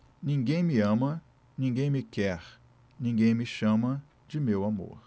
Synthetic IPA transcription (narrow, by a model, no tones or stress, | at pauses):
nĩŋɡẽj̃miɐ̃mɐ | nĩŋɡẽj̃mikɛɾ | nĩŋɡẽj̃miʃɐ̃mɐ | d͡ʒimewamo̰ɾ